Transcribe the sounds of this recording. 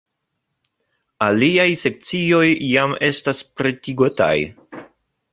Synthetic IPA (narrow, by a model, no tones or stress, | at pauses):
aliajse̞k̚t͡sio̞jːame̞staspɾetiɡota̰j